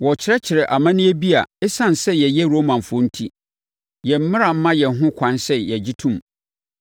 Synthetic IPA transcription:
wɔ˨t͡ɕʰɪ˨ɾɛ˦t͡ɕʰɪ˨ɾɛ˨ʔa˨mã˦nɪ̃˦e˦bi˦a˨ɛ˦sã˦n˨sɛ˦jɛ˨jɛ˦ɾo˦mã˨n˨fo˦n̩˦tʰi˦ | jɛ˨m̩˦mɪ̃˦ɾa˨m̩˦mã˦jɛ˨ɦʊ̃˦kʷʰã˨˦nsɛ˦jɛ˨d͡ʑɪ˦tʰũ˦˨m

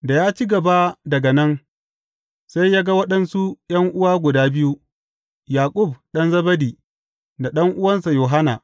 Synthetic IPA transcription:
da˨jaː˦t͡ʃi˦ɡɐ˨ba˦dɐ˨ɡɐ˨nɐ˦n | sa˦jːaː˦ɡa˦wɐ˦ɗɐ˦nsu˦jɐ˦ŋʔʊ˦waː˦ɡʷʊ˨daː˦bɪ˦ju˦ | jaː˨kʼʊ˦˨b̚ɗɐ˦nzɐ˦bɐ˦diː˨ | da˨ɗɐ˦ŋʔʊ˦wɐ˦nsa˨joː˨ɦa˦na˨

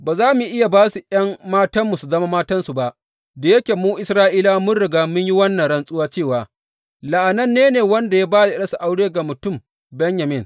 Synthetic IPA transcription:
baː˨zaː˦mu˨ʔɪ˦ja˨baː˦su˨ʔɐ˦mmaː˦tɐ˦mːu˨su˨zɐ˦ma˦maː˦tɐ˦nsu˨ba˦ʔ | da˨je˦kʲeː˨muː˦ʔɪ˨sɾaː˦ʔiː˦laː˦mʊ˦nɽɪ˨ɡaː˦mʊ˦ɲji˦wɐ˦nːɐ˨ɽɐ˦nsʼʊ˦waː˦t͡ʃeː˦˨waː˨ | la˨ʔa˨nɐ˦nːeː˦neː˨wɐ˦nda˨ja˦baː˦da˨ʔɪ˦ɗɐ˦su˨ʔa˦wɽeː˦ɡa˨mʊ˨tʊ˦˨m | bɛ˦ɲja˨mɪ˦n

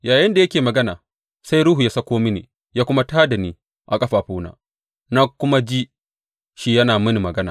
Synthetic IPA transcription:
jaː˨jɐ˦nda˨jɐ˦kʲeː˨mɐ˨ɡɐ˦naː˨ | sa˦jɾʊ˦ɦu˨jaː˦sa˦kʷoː˦mɪ˦nḛː˨ | jaː˦kʷʊ˦ma˦taː˦da˨niː˦ | ʔa˨kʼɐ˦ɸaː˨ɸuː˦na̰ː˦ | na˦kʷʊ˦ma˦d͡ʒi˦ | ʃi˦jɐ˦naː˨mɪ˦ni˨mɐ˨ɡɐ˦na̰ː˨

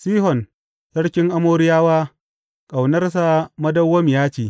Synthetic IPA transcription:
siː˦ɦɔ˨n | sɐ˦ɽkʲɪ˦ŋʔa˦moː˦ɾɪ˦jaː˦waː˦ | kʼa˨wnɐ˦rs̬a˦˨mɐ˦dɐ˦wːɐ˦mɪ˨jaː˦t͡ʃiː˨

